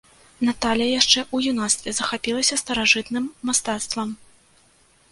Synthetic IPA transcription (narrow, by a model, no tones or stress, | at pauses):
nat̪alʲjɐjaʂt͡ʂɛʔujunast̪vʲɛzɐxapʲilˠɐsʲɐst̪ɐɾaʐɨt̪nɨmːast̪at̪st̪vɐm